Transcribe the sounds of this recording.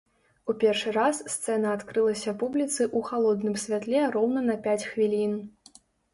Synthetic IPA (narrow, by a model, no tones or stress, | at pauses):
upʲɛrʂɨɾasːt̪sɛnɐːt̪kɾɨlˠɐsʲɐpublʲit̪sɨʔuxalˠɔd̪nɨmsʲvʲat̪lʲɛɾɔwnɐnɐpʲat͡sʲxvʲilʲin